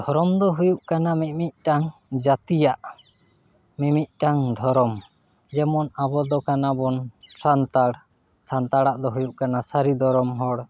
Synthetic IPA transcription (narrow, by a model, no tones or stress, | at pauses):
d̪ʱɔɾɔmd̪ɔɦujuʔkanamit̪̚ˀmic̪̚ʈaŋd͡ʒat̪ijaʔ | mimic̪̚ˀʈaŋd̪ʱɔɾɔm | d͡ʒɛmɔnabɔd̪ɔkanabɔnsant̪aɽ | sant̪aɽaʔd̪ɔɦujuʔkanasaɾid̪ʱɔɾɔmɦɔɽ